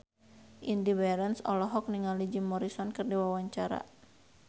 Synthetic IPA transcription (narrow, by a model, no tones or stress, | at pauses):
ʔindibɛɾɛnsɔ̰lɔɦɔk̚niŋalid͡ʒimɔɾisɔnkɨrdiwawaɲt͡ʃaɾa̰